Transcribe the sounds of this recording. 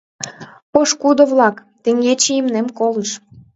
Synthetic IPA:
poʃkud̪oβlɑkt̪ĕŋɡet͡ɕejimnemkoləʃ

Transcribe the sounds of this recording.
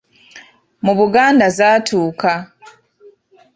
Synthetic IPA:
muβuɡaːndazaːtʰuːkʰa

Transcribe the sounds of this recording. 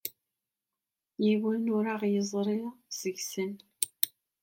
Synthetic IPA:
jiwənʊɾaʁjəzˤɾˤiʁz̥əʝsən

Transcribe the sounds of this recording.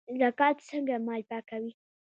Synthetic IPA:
zakɑt̪t͡səŋɡamɑjpakawi

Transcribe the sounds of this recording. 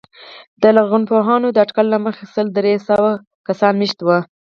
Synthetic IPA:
d̪̥əlaɣunpoɦɑnod̪əaʈkalːaməxesəld̪ɾesəwa | kasɑnmiʃt̪wə

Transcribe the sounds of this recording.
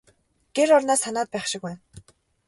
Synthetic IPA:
ɡ̥eɾɔrnaːsanaːt̪̚pæːχʃɪ̆kwæːn

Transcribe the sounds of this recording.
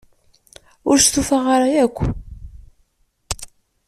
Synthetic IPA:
ʊ̰ɾst̪ufaʁaɾˤajækʷː

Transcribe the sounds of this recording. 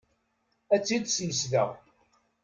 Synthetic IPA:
æt͡sːid̪sjəsðə̰ʁ

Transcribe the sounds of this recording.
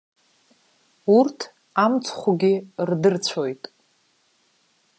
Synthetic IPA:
urtʰ | amt͡sʰχʷuɡʲirdɨrt͡ɕʷʰojtʼ

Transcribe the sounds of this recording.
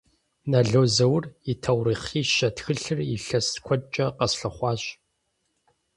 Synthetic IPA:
nɐɮoːzɐwritʰɐwriːχiːʃɐtxɨɬɨriɬɐskʷʰɔt͡ʃʼɐqɐsɬɐχʷɑːɕ

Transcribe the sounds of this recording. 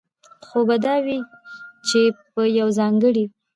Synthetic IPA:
xobad̪ɑwit͡ʃepəjawzɑŋɡəɽi

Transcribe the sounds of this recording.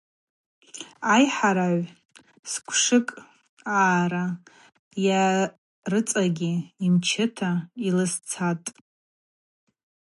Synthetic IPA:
ajħaɾaʕʷ | skʷʰʂɨkʼ | aːɾa | ja | rɨt͡sʼaɡʲiimt͡ʃʰɪtʰailɨst͡sʰatʼ

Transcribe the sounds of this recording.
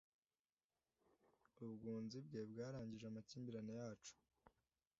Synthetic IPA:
ubɡuːnzib̚ɡebɡaːɾaːɲɟiʒeamaciːmbiɾanejaːt͡ʃu̥

